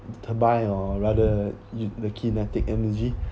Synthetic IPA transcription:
tʰəbajɔɹadəjudəkʰinɛtɪk̚ɛ̃nləd͡ʒi

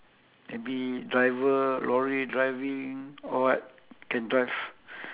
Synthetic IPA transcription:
mebidɹajvəlɔɹidɹajvĩŋɔwat̚ | kɛ̃ndɹajv

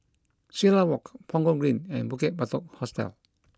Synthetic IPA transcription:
silawɔkpʰɔ̃ŋɡɔɡɹĩnɛ̃nbukɛt̚batɔk̚hɔstɛ̰l

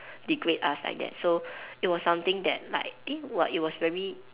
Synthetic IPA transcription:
dikɹeta̰sla̰ɪk̚dɛ̰t̚soit̚wɔsːãmt̪ɪ̃ŋdɛ̰t̚la̰ɪk̚ewɔit̚wɔsvɛɹi

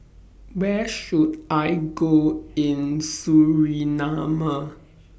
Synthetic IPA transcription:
wɛʃudajɡoɪ̃nsuɹinama

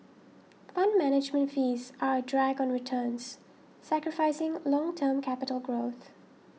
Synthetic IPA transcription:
fʌ̃nmæñɪd͡ʒmə̃ntfiːzadɹæɡɔ̃nɹɪtʰəːnz̥ | sækɹɪfaɪsɪ̃ŋlɔ̃ŋtʰəːmkʰæpɪtəl̩ˠɡɹoːθ

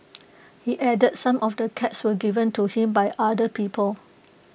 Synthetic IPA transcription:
hiʔɛdəd̚sãmʔɔfdəkʰɛtswəɡivə̃ntuhĩmbajʔadəpiːpʰəl

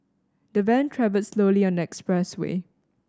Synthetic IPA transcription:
d̥əvɛ̃ntʰɹɛvəlsloːliɔ̃ndəɛkspɹɛswḛː

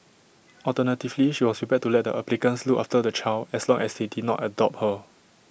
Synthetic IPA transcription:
ɔltənətivliʃiwɔspɹipɛd̚tulɛt̚də̰ʔaplikə̃nslukʔaftədət͡ʃʰalɛslɔ̃ŋɛsdedidnɔ̰tədɔp̚hə

